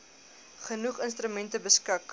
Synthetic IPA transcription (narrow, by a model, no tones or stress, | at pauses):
χənuχənst̪ɾymɛntəbəskɐk